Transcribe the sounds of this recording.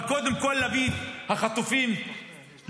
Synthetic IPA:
kod̪emkolːabid̪haχat̪ufim

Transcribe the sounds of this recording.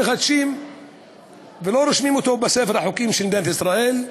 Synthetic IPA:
xad̪ʃiːm | veloɾɪʃmimot̪obasefeɾaħukiːmʃeld̪ent̪isɾˤɑʔeːl

